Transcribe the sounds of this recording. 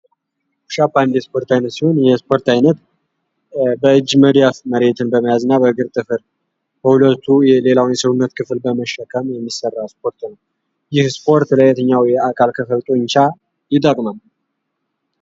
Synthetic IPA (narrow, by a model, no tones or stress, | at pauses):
ʃapːand̪jɛspʰo̞ɾt̪ajnət̪siho̞njɛspʰo̞ɾt̪ajnət̪ | bəɨd͡ʒːməd̪ijafməɾe̞t̪ʰɨnbəməjazɨnːabəɨɡɨɾt̪ʼɨfɨɾ | bəhulət̪ʰːujɛle̞lawnjɛsəwunːət̪kʰɨfɨlbəməʃːəkʰːəmjɛmːisərːawspʰo̞ɾt̪nəw | jɪhspʰo̞ɾt̪ləjɛt̪ʰəɲːawjɛakʰalkʰəfəlt̪ʼoɲt͡ʃa | jɪt̪ʼːəkʼmal